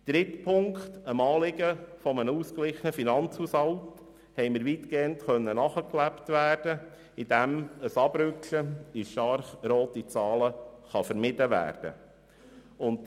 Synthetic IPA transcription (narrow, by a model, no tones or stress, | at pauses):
d̥ɾɪtpʰʊŋkχtəmɑːlɪɡəfɔmənuːsklɪχənəfinɑnt͡shushɑlt | hɛɪməɾʋiːtkeːəntχœnːənɑχəklæptʋæːrd̥ə | id̥æməsɑb̥ɾʏkəɪʃtɑɾχɾoːtit͡sɑːləχɑfəɾmɪd̥əʋæ̰ːrd̥ə̰ | ʊnt